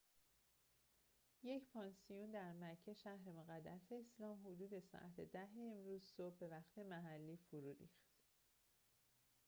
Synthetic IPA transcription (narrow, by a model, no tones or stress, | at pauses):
je̞cʰpʰɒnsijund̪æɾmæcʰːeʃæhɾe̞moɣæd̪ːæse̞ːslɒːmɦod̪uːd̪e̞sɒ̰ːʔæt̪ʰed̪æɦeemɾuːzsobːe̞væχt̪ʰe̞mæɦælːiːfoɾuːɾḭːχt̪